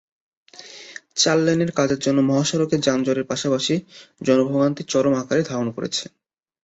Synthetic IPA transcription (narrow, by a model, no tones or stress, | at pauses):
t͡ɕalːeneɾkad͡ʑeɾd͡ʑonːomɔɦaʃoɾoked͡ʑand͡ʑoɾeɾpaʃapaʃid͡ʑɔnobʱoɡant̪it͡ɕɔɾomakaɾed̪ʱaɾonkoɾḛt͡ɕʰe̥